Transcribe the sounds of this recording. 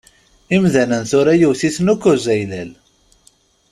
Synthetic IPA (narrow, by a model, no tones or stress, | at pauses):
imðænənθʊɾæjuwθiθnukːʊzæjlæl